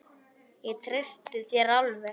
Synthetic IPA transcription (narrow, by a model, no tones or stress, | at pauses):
jɛt̪ʰɾest̪ɪθjɛɾawlvɛ